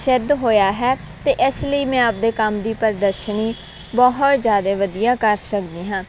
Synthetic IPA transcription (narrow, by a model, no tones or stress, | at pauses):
ʃɪd̪ɦoːjaːɦɛː | t̪eːʔɪsləiːmɛ̃ːəp̚d̪eːkəmd̪iːpəɾd̪əɾʃəniː | bɔɦʊt̪zjaːd̪eːʋəd̪ijaːkəɾsəkd̪iːɦãː